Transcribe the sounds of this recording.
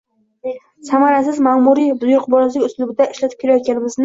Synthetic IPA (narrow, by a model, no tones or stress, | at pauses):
samaɾas̬ɪzmamuɾid̪ʊjʊɾqbɒɾaslɪkʲʊslʊbɪd̪aɪʃlat̪ʰɪp̚kʰelajɒt̪̚kʲʰanɪmɪznɪ